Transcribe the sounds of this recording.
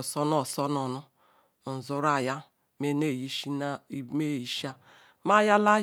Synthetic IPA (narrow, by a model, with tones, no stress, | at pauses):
sɔ˦nɔ˦sɔ˦nɔ˨nʊ˦˨ | zʊ˦ɾa˨ja˦ | me˦ne˦˨ji˦ʃi˦˨me˦˨ji˨ʃa˦ | ma˦ja˦la˦